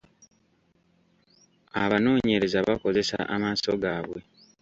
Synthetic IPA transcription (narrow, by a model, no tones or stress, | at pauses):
aβano̞ːɲe̞ɾe̞zaβako̞ze̞sa̰ʔamaːso̞ɡaːβwe̞